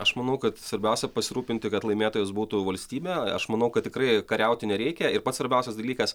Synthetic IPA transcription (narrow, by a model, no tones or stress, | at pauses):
ɐʃmɐnɐʊkɐt̪sʋɐɾʲbʲɛʊsʲɛpɐsʲɪɾuːpʲɪnʲt̪ʲɪkɐt̪lˠɐɪmʲeːt̪oːjʊs̬buːt̪uʋɐlʲsʲt̪ʲiːbʲɛɐ̰ʃmɐnɐʊkɐt̪tʲɪkrɐɪkɐɾʲɛʊt̪ʲɪnʲɛɾʲɛɪkʲɛɪɾpɐt̪sʋɐɾʲbʲɛʊsʲɛsd̪ɐlʲiːkɐs